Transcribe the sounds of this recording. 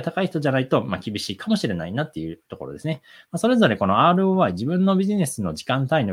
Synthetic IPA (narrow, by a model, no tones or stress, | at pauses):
t̪akaiçi̥t̪oʑanait̪o̞makʲibʲiɕiːkʰamo̞ɕiɾe̞na̰inat̪ːe̞jɯ̟ːt̪o̞ko̞̰ɾo̞d̪e̞sɨnemaso̞ɾe̞zo̞ɾe̞ko̞no̞aːɾɯ̟oβaiʑibɯ̟̃nːo̞bʲiʑine̞sɨno̞ʑikãnt̪aino